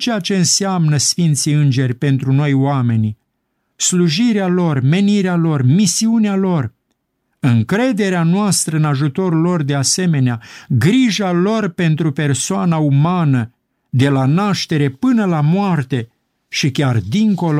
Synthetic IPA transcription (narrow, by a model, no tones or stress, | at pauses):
t͡ʃe̞jat͡ʃe̞ɨnseamnəsfint̪siɨnd͡ʒe̞rʲpe̞nt̪ɾuno̞joame̞ni | sluʒiɾealo̞rme̞niɾealo̞rmisiunealo̞r | ɨŋkɾe̞d̪e̞ɾeanoast̪ɾəɨnaʒut̪o̞ɾlo̞rd̪e̞ase̞me̞neaɡɾiʒalo̞rpe̞nt̪ɾupe̞rsoanaumanə | d̪e̞lanaʃt̪e̞ɾe̞pɨnəlamoart̪e̞ | ʃikʲard̪iŋko̞lo